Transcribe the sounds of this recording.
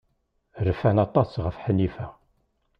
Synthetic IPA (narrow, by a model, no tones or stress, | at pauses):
ɾəfænɑt̪ˤɑsʁəfħənifæ